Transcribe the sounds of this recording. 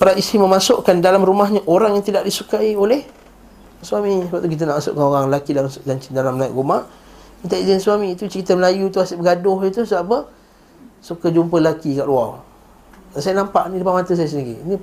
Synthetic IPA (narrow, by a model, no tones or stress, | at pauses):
paɾaʔisiməmasʊʔkandalamɾumaɦɲaʔoɾaŋjaŋt̪idaʔdisukaiolɛh | swamisəbap̚t̪uk̬it̪̬anaʔmasʊ̰ʔkanoɾaŋlakidalad͡ʒaɲt͡ʃɪdalamnaiʔɡumaʔ | it̪aizənswamĩːt̪ut͡ʃəɾit̪əməlajut̪uasɪʔbəɡadʊhɲət̪usəbaʔpə | sukad͡ʒumpəlakikaʔluaw | nansajanampaʔnilupaʔmat̪əs̬ajasəniɾḭni